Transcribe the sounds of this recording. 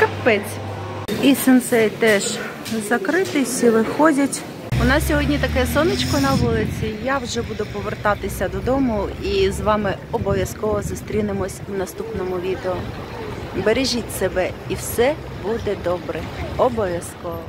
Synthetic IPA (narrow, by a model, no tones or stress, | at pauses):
kɐpɛt͡sʲ | isɪnsɛjt̪ɛʃ | zɐkɾɪt̪ɪsʲiʋɪxɔdʲɐtʲ | ʋɔnɑssʲɔɦɔdʲnʲit̪ɐkɛsɔnɪt͡ʃkɔnɐʋulˠɪt͡sʲijawʒɛbud̪ʊpɔʋert̪ɑt̪ɪsʲɐd̪ɔd̪ɔmʊizʋɑmɪ | ɔbɔʋʲjɐskɔʋɔzʊst̪ɾʲinɪmɔsʲwnɐst̪upnɔmʊʋʲid̪eʊ | beɾeʒʲitʲsebɛiwsɛ | bud̪ɛd̪ɔbɾɛɔbɔʋʲjɐskɔʋɔ